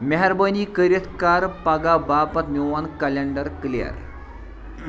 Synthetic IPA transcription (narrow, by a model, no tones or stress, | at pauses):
meɦaɾbənikəɾjət̪ʰkaɾpaɡabapət̪njuʋankəleɳɖəɾklija̰ɾḛ